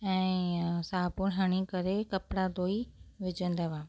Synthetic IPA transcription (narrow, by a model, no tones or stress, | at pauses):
ɛ̃ːsaːpʊnɦəɽ̃ikɐɾekɐpɽad̪oːiʋɪd͡ʒə̃nd̪əʋaː